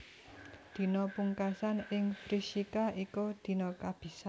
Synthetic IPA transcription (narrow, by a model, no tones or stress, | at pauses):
d̪̥i̤nɔpuŋkasanɪŋfɾiʃikaʔikod̪̥i̤nɔkab̥i̤sa